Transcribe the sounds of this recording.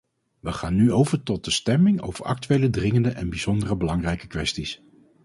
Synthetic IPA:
ʋəχaːnːyowvəɹtɔt̚dəstɛmɪŋo̰wv̥əɹɑ̰k̚tyʋejlədrɪŋəndəʔɛnbiz̥ɔndərəbəlɑŋrɛjkəkʋɛstis

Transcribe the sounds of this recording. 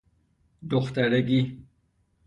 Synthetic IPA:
d̪oxt̪aɾeɡi

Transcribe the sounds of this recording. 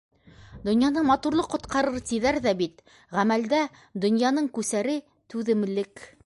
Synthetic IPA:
d̪ŏnjɑnɤmɑt̪uɾlˠɤqːŏt̪qɑɾɤɾt̪iðæɾðæbit̪ | ʁæmæld̪æ | d̪ŏnjɑnɤɴkʉsæɾɘ | t̪ʉðɘ̆mlɘk

